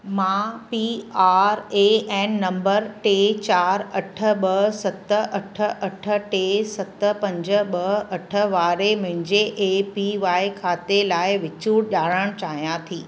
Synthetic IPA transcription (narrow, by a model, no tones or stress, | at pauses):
mãːpiaːɾeːɛ̃ːnnɐ̃mbəɾʈeːt͡ɕaːɾɐʈʰə̆ɓɐɦsɐt̪ə̆ʔɐʈʰə̆ʔɐʈʰə̆ʈeːsɐt̪ə̆pɐ̃ɲd͡ʑə̆ɓɐɦɐʈʰə̆ʋaːɾemʊ̃ɦɪ̃ɲd͡ʑeʔepiʋaːɪkʰaːt̪elaːɪʋɪt͡ɕuːɽʄaːɽəɽ̃t͡ɕaːɦijãt̪ʰiː